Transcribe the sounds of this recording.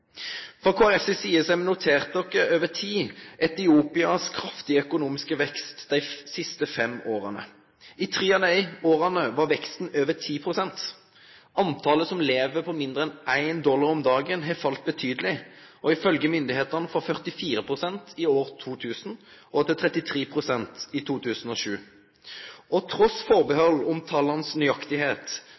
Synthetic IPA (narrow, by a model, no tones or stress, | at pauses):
fɔkʰoːæʁɛsəsiːəsæɪmnʊt̪ʰeːʁt̪əd̪ɔkːəøːʋət̪ʰiːʔɛt̪ɪuːpɪɑskʰɾɑft̪ɪəœkʊnuːmɪskəʋɛkst̪d̪æɪsɪst̪əfɛmoːʁɑnə̰ | ɪt̪ʰʁiːɑnæɪoːʁɑnəʋɑʁʋɛkst̪n̩øːʋət̪ʰiːpʰʁʊsɛnt̪ | ɑnt̪ʰɑːləsɔmleːʋəpʰɔmɪnd̪əɛnʔæɪnd̪ɔlːɑʁɔmd̪ɑːɡənɦɛɪfɑlt̪̚bət̪ʰyːd̪əlɪɔɪfœlɡəmʏnd̪ɪheːt̪əʁnəfɔfœʁt̪ɪfiːɾəpʰʁʊsɛnt̪ɪoːʁt̪ʰuːt̪ʰʉːsn̩ʔɔt̪ɪt̪ʰʁɛt̪ɪt̪ʰʁeːpʰʁʊsɛnt̪ɪt̪ʰuːt̪ʰʉːsn̩ɔːʃʉː | ɔt̪ʰʁɔsfɔʁbəhɔlːʊmt̪ʰɑːlɑnəsnyɑkt̪ɪheːt̪